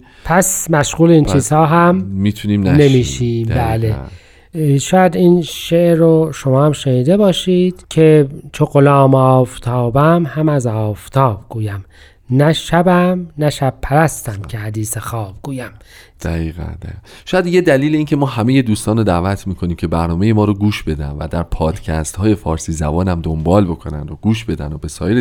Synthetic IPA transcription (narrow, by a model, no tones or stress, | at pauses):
pʰæsmæʃɣuːleiːnt͡ʃiːzhɒːɦæmmit̪ʰuniːmnænemiːʃiːmbæːle̞ | ʃɒːjæd̪iːnʃeʔɾoʃo̞mɒːhæmʃeniːd̪e̞bɒːʃiːd̪̥cʰe̞t͡ʃʰoɣolɒːmɒːft̪ʰɒːbæmhæmæzɒːft̪ʰɒːb̥̚ɡ̥uːjæm | næʃæbæmnæʃæb̥̚pʰæɾæst̪æmkʰehæd̪iːsexɒːb̥̚ɡ̥uːjæm | d̪̥æɣiːɣæ̰nd̪̥æiːʃɔːjæd̪jed̪æliːleiːncʰe̞mɒːhæmejed̪uːst̪ɒːnod̪ævæt̪ʰmiːkʰo̞niːmcʲʰe̞bæɾnɒːmejemɒːɾoɡuːʃbe̞d̪æ̰nvæ̰d̪æɾpʰɒːd̪̥cʰæ̰st̪hɒːje̞fɒːɾsiːzæbɒːnæmd̪ombɒːlbo̞kʰonæ̰nd̪oɡuːʃbe̞d̪æ̰nobe̞sɒ̰ːje